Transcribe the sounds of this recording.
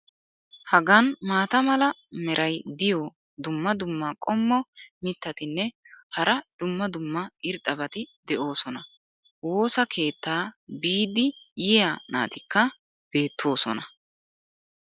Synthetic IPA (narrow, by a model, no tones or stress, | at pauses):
hɐɡɐnmaːt̪ɐmɐlɐ | mɛɾʔɐjd̪ɪjɔ | d̪ʊmːɐd̪ʊmːɐkʼɔmːɔmɪt̪ːɐt̪ɪnːɛ | hɐɾɐd̪̥ʊmːɐd̪ʊmːɐɪɾt̪ʼːɐbɐt̪ɪd̪ɛʔo̞ːsɔnɐ | wo̞ːsɐkʰe̞ːt̪ːaːbiːd̪ɪjɪjana̰ːt̪ɪkːɐ | b̥e̞ːt̪ʰːo̞ːsɔ̰nɐ